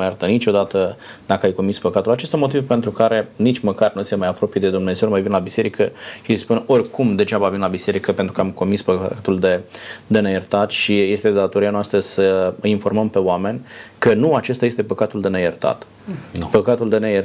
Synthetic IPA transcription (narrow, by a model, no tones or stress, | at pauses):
jaɾt̪ənit͡ʃo̞d̪at̪əd̪akəajko̞mispəkat̪ulat͡ʃest̪amo̞t̪̬ivpe̞nt̪ɾukaɾe̞nit͡ʃʲməkarnujsemajapɾo̞pije̞d̪e̞d̪umneze̞wmajvinelabise̞ɾikəʃispuno̞rʲkʰumd̪e̞ʒabavinelabise̞ɾikəpent̪ɾukəamko̞mispəa̰at̪uld̪e̞d̪e̞nejert̪at̪ʃije̞st̪e̞d̪at̪oɾijanoast̪ɾəsəəinfo̞rməmpe̞oame̞nʲkənuat͡ʃe̞st̪ajest̪e̞pəkat̪uld̪e̞nejert̪a̰t̪ | pəkat̪uld̪e̞nejə